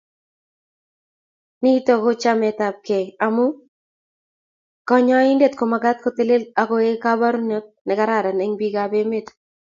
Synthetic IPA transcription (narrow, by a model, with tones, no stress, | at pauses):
ni˦t̪ɔ˦ko˦t͡ʃa˦mɛ˨t̪a˨p̚ke˨a˨mu˦ | kɔ˦ɲɔ˦ɪ˦nde˦˨t̪ko˨ma˨ɡa˦t̪̚ko˦t̪e˦le˦la˨ko˦e˦ka˦ba˦ɾu˦ne˦k̚nɛ˨ka˦ɾa˦˨ɾa˨nɛ˦ŋbi˦ɡabe˦me˦˨t̪